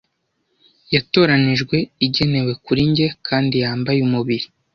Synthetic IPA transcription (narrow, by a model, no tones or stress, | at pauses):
jato̞ːɾaniʒɡwe̞iɟe̞ne̞we̞kuɾiɲɟe̞kʰaːndijaːmbajumuβiɾi